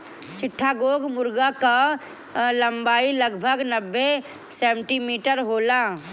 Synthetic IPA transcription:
t͡ʃɪʈʰːaɡoːɡmʊɾɡaka | lɐmbaːiləɡbʱəɡnəbːe | sẽːɳʈimiːʈəɾɦoːlaː

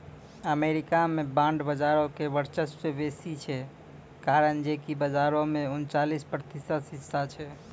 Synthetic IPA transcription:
əmeɾikamebãɳɖbəd͡ʒaɾokebəɾt͡ʃəssebesit͡ʃʰɛ | kaɾənd͡ʒekibəd͡ʒaɾõmeunt͡ʃalispɾət̪isəd̪sisat͡ʃʰɛ

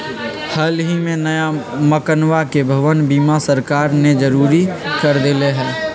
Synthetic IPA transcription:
həlɦimẽnəjaməkənwakebʱəʋənbiːmasəɾkaːɾned͡ʒəɾuːɾikəɾd̪ɪleɦɛː

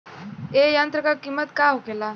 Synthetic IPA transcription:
ejant̪ɾəkakimːət̪kaɦokela

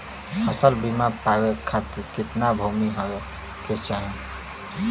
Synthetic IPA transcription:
əsəlbimapawekʰat̪ɪɾkɪt̪nabʱumiɦowe | ket͡ʃaɦe

